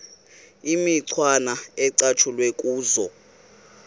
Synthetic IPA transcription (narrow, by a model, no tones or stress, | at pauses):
imiǀʰwanaɛǀat͡ʃʰulwekʼuːzɔ